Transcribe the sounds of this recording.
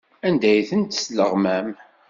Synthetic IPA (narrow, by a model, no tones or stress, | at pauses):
ænd̪æjθənt̪sləʁmæm